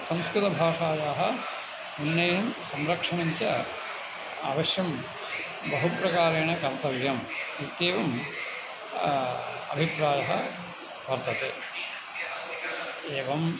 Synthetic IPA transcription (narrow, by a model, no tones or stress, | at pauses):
sɐ̃mskɾut̪ɐbʱaːʂaːjaːɦɐ | munːeːjɐmsɐmɾɐkʂɐɳɐɲt͡ʃɐ | a̰ːʋɐʃjɐm | bɐɦupɾɐkaːɾeːɳɐkɐɾt̪ɐʋjɐmit̪eːʋɐm | ɐ̰bʱipɾaːjɐɦɐ̰ | ʋɐɾt̪ɐt̪ḛː | eːʋɐm